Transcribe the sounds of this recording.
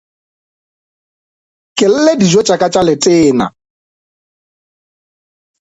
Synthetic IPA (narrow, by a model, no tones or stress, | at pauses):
kʼɪl̩ledid͡ʒɔt͡ʃʼakʼat͡ʃʼalɪtʼɪːna̰